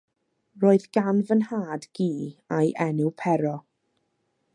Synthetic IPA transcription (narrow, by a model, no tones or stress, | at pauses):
roːɨðɡ̥anvənhaːdɡ̥iːajʔɛnuwpʰɛɾɔ